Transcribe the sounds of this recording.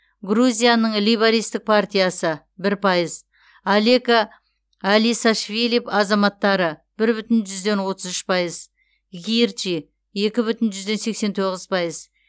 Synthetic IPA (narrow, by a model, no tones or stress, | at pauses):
ɡruzʲijanəɴlijbaɾijst̪ɪk̚pʰart̪ʲijasə | bɪɾpʰɑjəz | alekaː | lijsaʃvʲilʲipɑzɑmɑt̪ːɑɾəb̥ɪɾbʏt̪ɪnʒʏzd̪e̞nwo̞t̪əzʏʃpʰɑjəz | ʁʲirt͡ʃi | e̞kʲɪbʏt̪ɪnʒʏzd̪e̞nse̞kse̞nt̪ʰo̞ʁəz̥pʰɑjəz